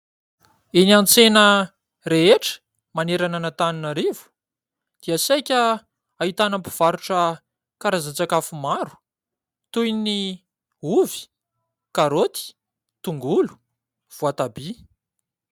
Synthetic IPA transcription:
eniant͡senə | reeʈ͡ʂə̥ | maneɾananət̪aninaɾevu̥ | d̪̥iasajkʲə | aɦit̪anampiv̥aɾuʈ͡ʂə | kaɾazant͡sakafumaɾu̥ | t̪ujni | uvi̥ | kaɾot̪i̥ | t̪uŋɡulu̥ | v̥uat̪abi

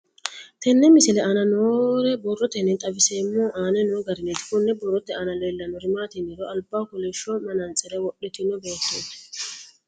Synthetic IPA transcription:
t̪ɛnːɛmɪsɪlɛanɐnoːɾɛbɔrːɔt̪ɛnɛt̪ʼɐvɪseːmːɔʔaːnɛnɔɡɐɾɪnɛt̪ɪ̥kɔnːɛbɔrːɔt̪ːɛɐnɐleːlːɐnɔɾɪmaːt̪ɪnːɪɾɔɐlbaːkʊlɛʃːɔmɐnɐnt͡sʼɛɾɛwɔɗɛt̪ɪnɔbeːt̪ːeːt̪ɐ̥

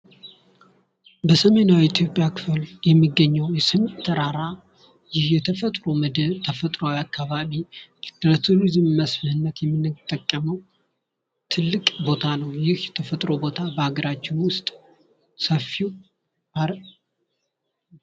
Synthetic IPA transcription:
bəsəme̞nawit̪ʰjo̞pʼjakʰɨ̥fɨljɛmːiɡːəɲːəwjɛsɨmt̪ʰəɾaɾa | jɪhjɛt̪ʰəfət̪ʼɾo̞mɨd̪ɨβt̪ʰəfət̪ʼɾoalakːaβaβiɾət̪ʰulizɨmməsfɨhɨnːət̪jɛmːɨnːɨt̪ʼːəkʼːəməw | t̪ʰɨlːɨkʼbo̞t̪ʰanəwjɪhjɛt̪ʰəfət̪ʼɾo̞bo̞t̪ʰabəhaɡəɾat͡ʃːɪnwʊst̪ʼ | səfːiw | aɾ

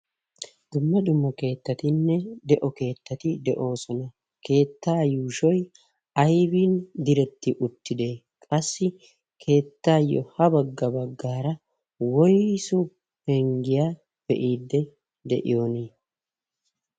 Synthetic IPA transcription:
d̪̥ʊmːɐd̪ʊmːɔke̞ːt̪ːɐt̪ɪnːɛd̪ɛʔɔke̞ːt̪ːɐt̪ɪd̪ɛʔo̞ːsɔnɐ | ke̞ːt̪ːaːjuːʃɔj | ɐjbiːnd̪ɪɾɛt̪ːɪʔʊt̪ːɪd̪e̞ː | kʼɐsːɪ | kʰe̞ːt̪ːaːjːɔ̰hɐbɐɡːɐbɐɡːaːɾɐ | wɔjsʊ | hɛŋɡɪjaː | b̥ɛʔiːd̪ːɛ | d̪ɛʔɪ̰jo̞ːneː

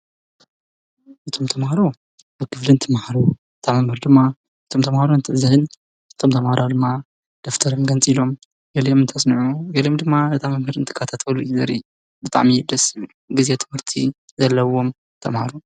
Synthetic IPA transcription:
ʔɨt̪ʰo̞mt̪ʰɐmhaɾo | bɨɡɨflɨnt̪ʰɨmhaɾo | ɨt̪ʰʼamːɐmhɨɾd̪ɨmːa | ɨt̪ʰo̞mt̪ʰɐmhaɾoɨnt̪ʰɨʕzɐhɨn | ɨt̪ʰo̞mt̪ʰɐmhaɾad̪ɨmːa | d̪̥oft̪ʰɐɾonɡɐnt͡sʼilo̞m | ɡɐljomɨnt̪ʰɐsnɨʕuɡɐlijomd̪ɨmːabɨt̪ʰʼamɐmhɨɾɨnt̪ʰɨ̥kʰːɐt̪ʰat̪ʰɐluizɐɾi | bɨt̪ʼa̰ʕmid̪ɐs | ɡɨze̞t̪ʰɨ̥mhɨɾt̪ʰi | zɐlːɐwo̞m | t̪ʰɐmhaɾu

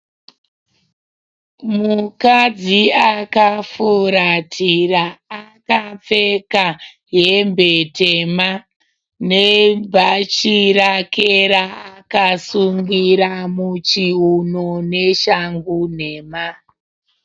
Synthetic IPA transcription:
mukad͡ziakafuɾatʰiraːkap͡fe̞ka | ɦembetema | nebʱat͡ʃirakeɾaakasuŋɡiɾamut͡ʃiɦunoneʃaŋɡune̞ːma

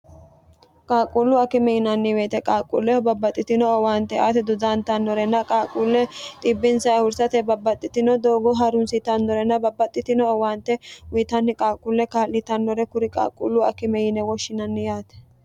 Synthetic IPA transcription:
kʼaːkʼulːʊɐkɪmɛjɪnɐnːɪweːt̪ɛkʼaːkʼːṵːlːɛɔbɐbːɐt̪ʼːɪt̪ɪnɔɔwaːnt̪ːɛaːt̪ɛd̪ʊd̪ant̪ɐnːɔɾɛnːɐkʼaːkʼuːlːɛt̪ʼɪbːɪnsɐjhʊɾsɐt̪ɛbɐbːɐt̪ʼːɪt̪ɪnɔd̪oːɡɔɦɐɾʊnsɪt̪ɐnːɔɾɛnːɐbɐbːɐt̪ʼːɪt̪ɪnɔːwaːnt̪ːɛwit̪ɐnːɪkʼaːkʼːulːɛkaːlːɪt̪ɐnːɔɾɛkʊɾɪkʼa̰ːkʼːṵlːʊɐkɪmɛjɪnɛwɔʃːɪnɐnːɪjaːt̪ɛ̥

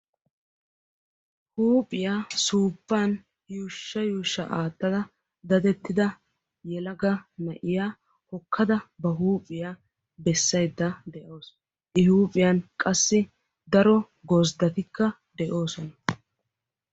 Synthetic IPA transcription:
huːpʼɪjaːsuːpːɐːn | juːʃːɐjuːʃːɐ̰ʔaːt̪ːɐd̪ɐ | d̪ɐd̪ɛt̪ːɪd̪ɐ | jɛlɐɡɐmɐʔɪjaː | hɔkʰːɐd̪ɐbɐɦuːpʼːɪjaː | bɛsːɐjd̪ːɐd̪ɛʔo̞ːs | ʔɪhuːpʼːɪjaːnkʼɐsːɪ | d̪ɐɾɔ | ɡozd̪ɐt̪ɪkːɐ | d̪ɛʔo̞ːsɔnɐ

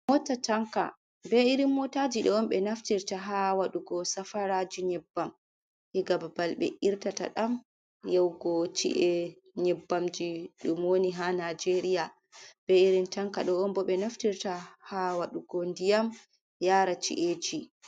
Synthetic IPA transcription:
mɔtataŋka̰ | bɛiɾimːɔtad͡ʒiɗɔɔmɓɛnaftiɾtaɦawaɗuɡɔsafaɾad͡ʒiɲɛbːam | hiɡababalɓɛ̰ʔiɾtata̰ɗam | jɛwɡɔt͡ʃḭʔɛ | ɲɛbːamd͡ʒiɗumwoniɦanad͡ʒeɾija | b̥ɛiɾintaŋkaɗɔɔnbɔɓɛnaftiɾtahawaɗuɡɔndijam | jaːɾat͡ʃḭʔed͡ʒi

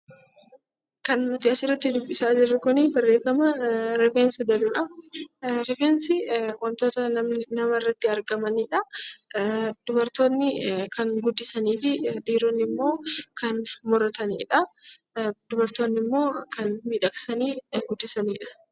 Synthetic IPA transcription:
kɐnnʊt̪ɪɐsɪrːɐt̪ːɪd̪ʊbːɪsaːd͡ʒɪrːʊkʊnɪbɐrːe̞ːfɐmɐɾɛfɛnsɐd̪ɐlʊᶑɐ | ɾɛfensɪwɐnt̪o̞ːt̪ɐnɐmnɐmɐɪrːɐt̪ːɪɐɾɡɐmɐniːᶑɐ | d̪̥ʊbɐɾt̪o̞ːnːɪkʰɐŋɡʊd̪ːɪsɐniːfɪdiːɾɔnːɪmːo̞ːkɐnmɔɾɐt̪ɐnḭːᶑɐ | d̪̥ʊbɐɾt̪o̞ːnːɪmːo̞ːkʰɐnmiːᶑɐksɐniːɡʊd̪ːɪsɐniːᶑɐ̥

